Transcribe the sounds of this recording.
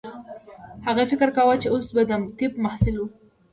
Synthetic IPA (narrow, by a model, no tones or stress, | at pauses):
haɣafɪkɾkawat͡ʃeosbad̪amt̪ibmahsɪlu